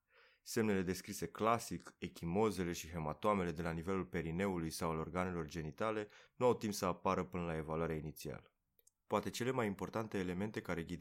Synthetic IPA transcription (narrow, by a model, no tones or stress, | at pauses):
se̞mne̞le̞d̪e̞skɾise̞klasike̞kʲimo̞ze̞le̞ʃiɦe̞mat̪oame̞le̞d̪e̞lanive̞lulpe̞ɾine̞ulujsawalo̞rɡane̞lo̞rd͡ʒe̞nit̪ale̞nuawt̪impsəapaɾəpɨnəlae̞valwaɾeainit̪sia̰lə | poat̪e̞t͡ʃe̞le̞majimpo̞rt̪ant̪eːle̞me̞nt̪e̞kaɾeɡʲid̪